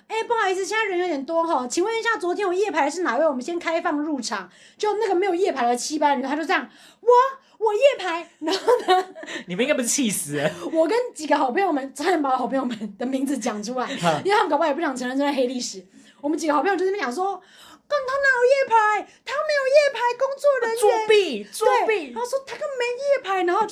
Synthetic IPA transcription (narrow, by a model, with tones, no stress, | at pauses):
e˥˩ɪpu˥˩a˧i˧˥s̩ʰ˥˧t͡ɕjɛ˥n˥˧ə˧˥njo˧˥t̪jɛ˨˩nt̪wɔ˥xɔ˥˧˩t͡ɕʰi˨˩ŋwə˥˧ni˧˥ɕja˥˩t͡swɔ˧˥t̪ʰjɛ˥nwɔ˨˩jɛ˥˩pʰa˧˥ɪə˦ʂ̬ɻ̩˥˩na˨˩we˥˩ɪwɔ˨˩mə˦nɕjɛ˥nkʰa˥ɪfɑ˥˧ŋɻu˥˩ʈ͡ʂʰɑ˨˩˦ŋ | t͡ɕo˥˩˥na˥˩ɡə˩me˧˥ɪjo˨˩jɛ˥˩pʰa˧˥ɪd̪ə˧t͡ɕʰi˥pa˥nʰ˨˧˥o˥˧t͡sjɑ˥˩ŋ | wɔ˨˩ | wɔ˨˩jɛ˥˩pʰa˧˥ɪna˧˦˥nə˧ni˨mə˨˦i˦ŋa˥pu˧˩˥t͡ɕʰi˥˩sɹ̩˨˦wɔ˨˩kə˦nt͡ɕi˨˩ɡə˦xɑ˨˩ʊpʰe˥ŋwɔ˨˩mə˨˦nt͡sə˧˥npa˨˩wɑ˨˩pʰwɔ˨˩mə˨˦nd̪ə˨mi˧˥ŋd͡zɹ̩˨˧˦t͡ɕjɑ˨˩ŋʈ͡ʂʰu˥la˧˦ɪi˥˧a˥m˧˥kʰppu˥˩ɑ˨˩ŋʈ͡ʂʰə˧ŋɻə˥˧nt͡ɕo˥a˥˩xe˥ɪli˥˩ʂɻ̩˨˩˦ | wɔ˨mə˦nt͡ɕi˨ɡəxɑ˨˩pʰːjɑ˨˩ʂ̬wɔ˥ | kɔ˥˩ŋt̪ʰo˥ŋna˧˥jo˨˩jɛ˥˩pʰa˧˦ɪt̪ʰa˥me˧˥ɪjo˨˩ʊjɛ˥˩pʰa˧˥ɪkʊ˥ŋt͡swɔ˥˩ɻə˧˦nuɛ˥˧˦npi˥˨t͡su˥˧˨pi˥˩˥o˥˧˩ʂwɔ˥t̪ʰa˥kə˥˩ŋme˧˥ɪ˨˩jɛ˥˩pʰa˧˥ɪna˧˥ŋxo˥˧ʊ